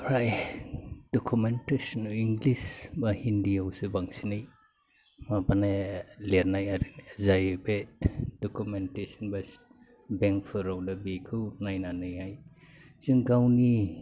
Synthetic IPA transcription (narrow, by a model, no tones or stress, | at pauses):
ɾaj | d̥ɔkʰumentesɔniŋɡlisbahindiawsɯbaŋsinɯj | mabanaleɾnajaɾinzajbetd̥ɔkumentesɔnbas | beŋkfʰɯɾawdabikʰɯwnajnanɯjhaj | z̥ɯŋɡawni